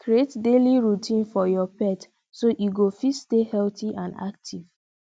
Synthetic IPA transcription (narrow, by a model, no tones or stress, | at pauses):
kɾietdeliɹutʰĩnfɔjɔpɛt | soʔuɡofitstehɛltiʔãnda̰k̚tʰiv̥